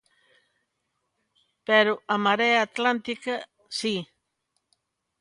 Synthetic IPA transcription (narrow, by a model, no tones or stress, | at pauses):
peɾoamaɾeaːt̪lant̪ika | si